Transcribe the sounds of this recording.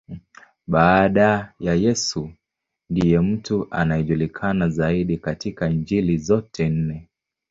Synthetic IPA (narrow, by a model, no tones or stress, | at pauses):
ɓaːɗajajɛsu | ndijɛm̩tuʔa̰najɛʄulikʰanazaiɗikatikaiɲd͡ʒilizɔtʰɛn̩nɛ